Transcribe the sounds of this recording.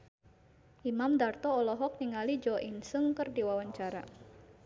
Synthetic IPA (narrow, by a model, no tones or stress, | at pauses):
ʔimamdart̪ɔːlɔɦɔk̚niŋalid͡ʒɔʔinsəŋkərdiwawaɲt͡ʃaɾa̰